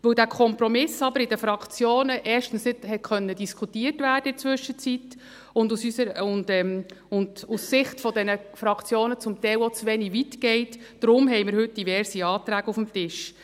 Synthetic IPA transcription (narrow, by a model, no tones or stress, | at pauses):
ʋɵwdæːkʰɔmpɾɔmɪsɑb̥əɾɪd̥əfɾɑkt͡sjoːnəʔɛːʃtən̩snɪd̥hɛt̚kʰœnːəd̥iskʰχutiːrtvæːd̥əɪt͡svʏʃət͡sit | ʊndusysəɾʊndɛmʊndusːɪχtfɔdɛnəfɾɑkt͡sjoːnət͡sʊmt̪ɛɪwɔt͡sʋɛniʋitɡ̥ɛɪt | d̥ɾʊmɦɛjmɪɾhɵt̚d̥ivɛɾsiɑːt̪ɾæːɡəufm̩tɪʃ